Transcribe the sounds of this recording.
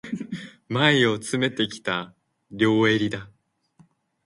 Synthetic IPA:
maio̞t͡sɨme̞t̪e̞kʲi̥t̪a | ɾʲo̞ːe̞ɾʲid̪a

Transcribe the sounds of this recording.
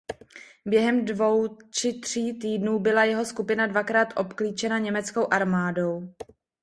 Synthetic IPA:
bjɛɦɛmdvo̞wt͡ʃɪt̪r̥iːt̪iːdnuːbɪlajɛɦo̞skupɪnadvakɾaːt̪ʔo̞pkliːt͡ʃɛnaɲɛmɛt͡sko̞wʔaɾmaːdo̞w

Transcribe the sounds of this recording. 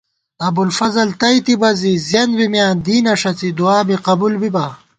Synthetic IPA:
ɐbulfɐzɐlt̪ɐjt̪ibɐzizjɐnbimjaːnd̪iːnɐʂɐt͡sid̪uaːbiqɐbulbibɐ

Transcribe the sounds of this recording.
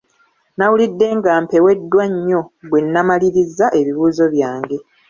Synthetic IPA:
nawulidːe̞ŋɡaːmpe̞we̞dːwaɲːo̞bwe̞nːamaliɾizːaʔe̞βiβuːzo̞βjaːŋɡe̞

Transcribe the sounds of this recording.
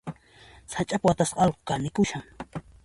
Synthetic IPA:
sat͡ʃʼapwat̪asqɑlqo̥kanɪkʊʃaŋ

